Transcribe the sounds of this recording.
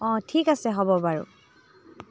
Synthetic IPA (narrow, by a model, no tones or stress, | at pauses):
ɔ̃tʰikasɛɦɔbɔbaɹṵ